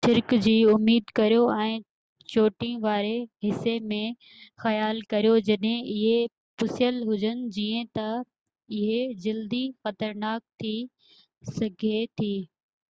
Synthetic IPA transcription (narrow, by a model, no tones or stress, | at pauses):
ʃɪɾkd͡ʑiːʊmːiːd̪kɐɾjoɛ̃ː | t͡ɕoːʈĩʋaːɾeɦɪsemẽ | xɐjaːlkɐɾijod͡ʑɐɗɦẽʔɪɦe | pʊsjəlɦʊd͡ʑənɪ̆d͡ʑiːə̃t̪ɐ | ɪɦed͡ʑɐld̪ixɐt̪əɾnaːk̚t̪ʰi | sɐɡʱet̪ʰiː